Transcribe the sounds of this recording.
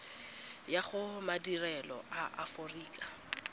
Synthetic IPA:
jaχʊmadirɛlɔ̰ʔaʔaforiːkʼa

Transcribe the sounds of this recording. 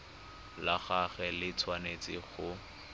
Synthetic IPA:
laχaχɛlɪt͡sʰwanet͡sʼɪχʊ

